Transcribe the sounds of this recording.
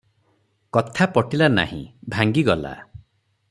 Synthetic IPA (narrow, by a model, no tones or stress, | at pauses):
kɔt̪ʰapɔʈilana̰hḭ̃bʱaŋɡiɡɔla̰